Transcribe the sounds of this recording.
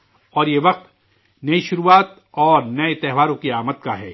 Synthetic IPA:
ɔːɾjeʋɐq̚t̪ | nɐiʃʊɾuːaːt̪ | ɔːɾnɐet̪ɛɦʋaːɾõkiaːmət̪kaɦɛ̰ː

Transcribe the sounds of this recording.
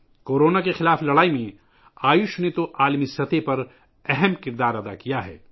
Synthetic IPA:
koːɾoːnakexɪlaːflɐɽaːimẽ | aːjʊʃnet̪oʔaːlmisɐt̪epɐɾ | ɛɦɛmkɪɾd̪aːɾɐd̪a̰kijaɦɛ̰ː

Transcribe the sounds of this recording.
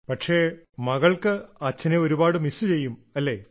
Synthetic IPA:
pɐʈʂe̞ːmɐɣɐɭkɨɐt͡ɕːɐneoɾubaːɽɨmisɨt͡ɕe̞jːumɐlːeː

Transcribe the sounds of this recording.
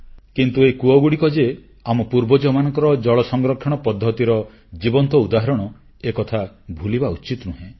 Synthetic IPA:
kint̪uekuɔɡuɽikɔd͡ʒe | amɔpuɾbɔd͡ʒɔmanɔ̃ŋkɔɾɔd͡ʒɔɭɔsɔŋɡɾɔkʰːɔɽ̃ɔpɔd̪ʱːɔt̪iɾɔ | d͡ʒibɔnt̪ɔud̪aɦɔɾɔɽ̃ɔ | ekɔt̪ʰa | bʱulibaut͡ʃit̪ɔnuɦẽ

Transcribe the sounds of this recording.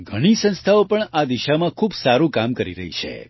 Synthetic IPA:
ɡʱəɽ̃isə̃nst̪ʰaopəɳad̪iʃamãkʰuːbsaɾũkamkəɾiɾə̰ɦḭt͡ʃʰḛ

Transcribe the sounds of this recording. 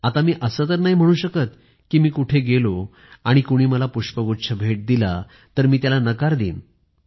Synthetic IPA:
at̪amiːʔəsət̪əɾnaɦim̤əɽ̃uːɕəkət̪ | kiːmiːkuʈʰeɡelo | aɽ̃ikuɽ̃iːməlapuʂpəɡotːɕʰəbʱeʈ̚d̪ila | t̪əɾmiːt̪jalanəkaɾd̪ḭːn

